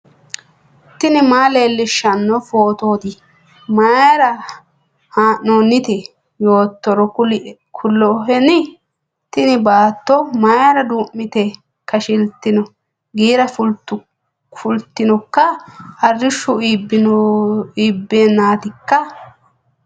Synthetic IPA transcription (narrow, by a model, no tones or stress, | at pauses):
t̪ɪnɪmaːleːlːɪʃːɐnːɔfoːt̪oːd̪ɪ | mɐjɐɾɐ | haːʔːoːnːɪt̪ɛ | jo̞ːt̪ːɔɾɔ | kʰʊlːɔɦɛnɪ | t̪ɪnɪbaːt̪ːɔmaɐɾɐd̪uːmːɪt̪ɛ | kːɐʃɪlt̪ːɪnɔ | ɡiːɾɐf | fʊlt̪ːɪnɔkːɐɐrːɪʃːʊibɪn | iːbːeːnːaːt̪ɪkːɐ